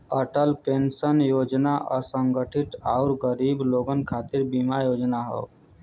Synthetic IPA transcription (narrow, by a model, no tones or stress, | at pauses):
əʈəlpẽːnsənjoːd͡ʒnaʔɔ̰ɾsə̃ŋɡəʈʰɪʈ̪aʊɾɡəɾiːbloːɡənkʰaːt̪ɪɾbimajoːd͡ʒnaɦo̰ː